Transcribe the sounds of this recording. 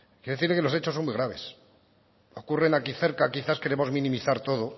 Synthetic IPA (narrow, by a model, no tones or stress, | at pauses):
kjeɾðeθiɾlekelo̞se̞t͡ʃosːo̞nmuijɣɾaβ̞e̞s | o̞kure̞nakiθe̞ɾkakiθaske̞ɾe̞mo̞zmĩnĩmiθaɾt̪o̞ðo